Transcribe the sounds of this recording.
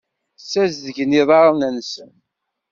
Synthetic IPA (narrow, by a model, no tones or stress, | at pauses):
sæzðəʝniðˤɑɾˤnænsən